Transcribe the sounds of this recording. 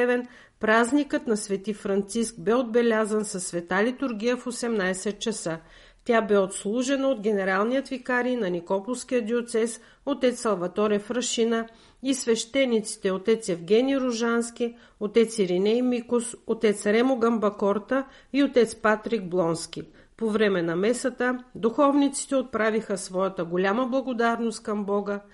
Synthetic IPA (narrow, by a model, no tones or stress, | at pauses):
ɛvɛn | pɾaznikət̪nɐsvɛt̪ifɾɐnt̪sisk̚bɛod̪̚bɛlʲazənsɐsːvɛt̪alit̪uɾɡʲijəfosɛmnajsɛt̪̚t͡ʃɐsə | t̪ʲabɛot̪slˠuʒɛnəod̪ɡʲɛnɛɾalˠnijət̪vikaɾijnɐnikɔpolˠfsk̟ʲijəd̪iot̪sɛs | ot̪ɛt̪sːɐlˠvɐt̪ɔɾəfɾəʃinə | isvɛʃt̪ɛnːit̪si̥t̪ɛot̪ɛt̪sjɛvɡʲɛnʲiɾʊʒansk̟i | ot̪ɛt̪siɾinɛjmikosot̪ɛt̪sɾɛmoɡɐmbɐkɔɾt̪ə | iot̪ɛt̪spat̪ɾiɡ̚blˠɔnskʲi | povɾɛmɛnɐmɛsət̪əd̪uxɔvnit̪si̥t̪ɛot̪̚pɾavixəsvɔjət̪əɡolʲaməblˠɐɡod̪aɾnost̪̚kɐmbɔɡə